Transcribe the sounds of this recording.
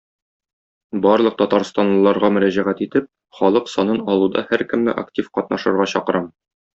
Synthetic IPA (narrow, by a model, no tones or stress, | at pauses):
bɒɾlˠɤq̚t̪ɒt̪ɑɾst̪ɑnlˠɤ̆lˠɑɾʁɑmɵ̆ɾæʑæʁæt̪it̪ɘp̚ | χɒlˠɤqsɒnɤnɒlˠud̪ɑ̰hæɾkɘ̆mnɘ̰ʔa̰ktʲifqɒt̪̚nɑʃɤ̆ɾʁɑɕɒqɤ̆ɾʔɑm